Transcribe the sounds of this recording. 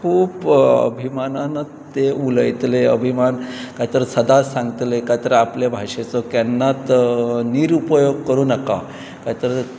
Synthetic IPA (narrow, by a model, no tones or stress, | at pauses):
kʰuːpə̰bʱimanana | t̪eʔuləjt̪leə̰bʱimankait̪əɾsəd̪asãŋɡt̪lekat̪əɾəaplebʱaʂet͡sɔkjanːat̪niɾupəjoɡ̚kəɾuːnəka̰ | kat̪əɾ